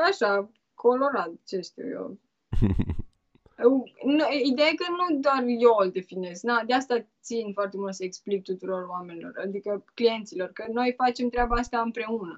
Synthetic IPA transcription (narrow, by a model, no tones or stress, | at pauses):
aʃa | kʰo̞lo̞ɾat̪at͡ʃest̪o̰jo̰l | ənid̪ejakənud̪oarjold̪e̞fine̞sknad̪east̪at̪sinfoart̪emult̪səeksplip̚t̪ut̪uɾo̞roame̞nilo̞̰rad̪ikəklije̞nt̪silo̞rkəno̞jfat͡ʃe̞mt̪ɾeabaast̪aɨmpɾe̞unə